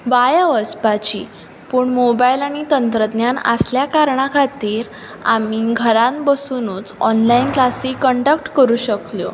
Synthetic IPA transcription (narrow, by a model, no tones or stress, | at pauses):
ʋajəʋəspat͡ɕiː | puːɳmobailaɽ̃it̪ənt̪ɾəd̪njana̰sljakaɾɳakʰat̪iːɾ | a̰miɡʱəɾãnbəsunuːt͡sɔnlainklasikːəɳʈak̚ʈkəɾuːɕəkljo